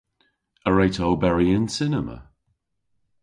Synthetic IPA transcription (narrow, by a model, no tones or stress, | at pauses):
əɹejtʰɔlˠbɛɹiə̃nsɪnəmə̰